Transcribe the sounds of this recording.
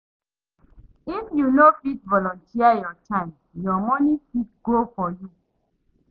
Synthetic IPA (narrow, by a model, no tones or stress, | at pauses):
ifjunofitvɔlɔ̃ntʰiajɔtʰãɪ̃m | jɔmɔnikidɡofɔju